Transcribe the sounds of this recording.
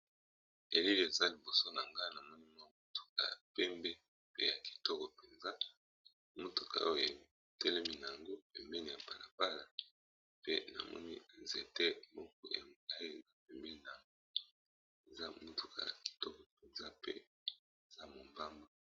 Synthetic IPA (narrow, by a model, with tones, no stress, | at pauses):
e˨li˦le˨za˦li˨bo˨so˦na˨ŋɡa˦na˨mɔ˦ni˦mɔ˦o˦tu̥˨ka̰˨ja˨pɛ˦mbɛ˦ | pe˦ja˨ki̥˨tɔ˦kɔ˨pe˨nza˦ | mo˦tu̥˨ka̰˨˦o˦˨je˨ | tɛ˦lɛ˦mi˦na˨a˨ŋɡo˦pɛ˨mbɛ˦ni˨ja˨pa˨la˨ba˦la˨ | pe˦na̰˨mɔ̰˦ni˦nze˨tɛ˦mɔ˦k̚ɔ̰˦˨ŋa˦je˨za˦p̚ɛ˨mbɛ˦˨na˨ŋɡo | e˨za˦mo˨tu̥˨ka̰˨ja̰˨ki̥˨tɔ˦kɔ˨pe˨nza˦pḛ˦ | e˨za˦mo˨mba˦mba˦